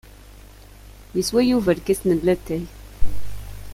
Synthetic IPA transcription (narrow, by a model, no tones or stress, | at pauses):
jəswæjuvəɾkæsnəlːæt̪ːæj